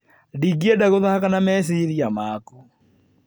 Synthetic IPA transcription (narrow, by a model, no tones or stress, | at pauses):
diɡiɛdaɣoðahakanamɛs̬iɾiamaːkɔ